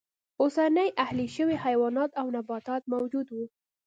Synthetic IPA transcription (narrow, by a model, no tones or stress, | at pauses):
osanəjʔahliʃəwihajwɑnɑt̪awnabɑt̪ɑt̪̚mawd͡ʒud̪wu